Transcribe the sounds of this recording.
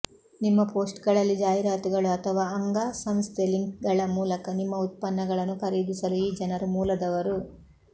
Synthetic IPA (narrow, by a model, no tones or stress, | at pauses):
nimːɐpo̞ːsʈɡɐɭɐlːid͡ʒaːjɾaːt̪iɡɐɭuɐt̪ʰɐʋaːɐŋɡaːsɐmst̪ʰeliŋkɡɐɭɐmuːlɐkɐnimːɐut̪̚pɐnːɐɡɐɭɐnːukɐɾid̪isɐluid͡ʒɐnɐɾumuːlɐd̪ɐʋɐɾu